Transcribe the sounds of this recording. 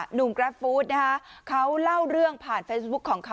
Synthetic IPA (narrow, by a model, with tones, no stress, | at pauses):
nu˨˩mkɾɛ˦˥p̚fuː˦˥t̪̚na˦˥kʰa˦˥kʰa˦˥wla˥˩wɾɯ˥˩əŋpʰaː˨˩nfeː˦˥s̚bu˦˥kʰːɔː˩˦ŋkʰa˦˥